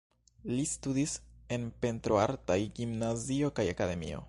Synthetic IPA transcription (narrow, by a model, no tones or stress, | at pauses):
listudise̞npe̞ntɾoaɾtajɡimnazio̞kajakade̞mḭo̞̰